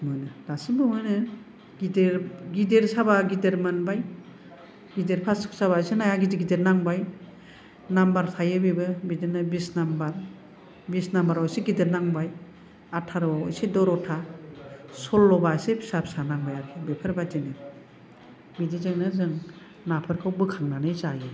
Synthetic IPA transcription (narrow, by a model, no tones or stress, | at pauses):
mɯnɯdasibɯmɯnɯ | ɡideɾɡideɾsabaɡideɾmɯnbaj | ɡideɾpʰasɯ̥k̚saβasenajaɡideɡideɾnaŋbaj | nambaɾtʰajɯbibɯbidenɯbisnambaɾ | bisnambaɾawseɡideɾnaŋbaj | atʰaɾaɔ̰jsedɔɾɔtʰa | sɔlːɔbasepʰi̥sapsanaŋbajaɾkʰebepʰɯɾbatinɯ | bidizɯŋnɯzɯŋ | napʰɯɾkʰɯwbɯkʰaŋnanɯjzajɯ